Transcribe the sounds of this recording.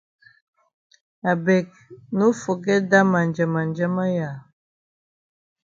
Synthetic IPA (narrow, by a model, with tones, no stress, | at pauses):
a˨bɛ˨k̚ | nu˦fo˨ɡɛ˦da˦ma˨nd͡ʒə˨ma˨nd͡ʒɛ˦ma˦ja˨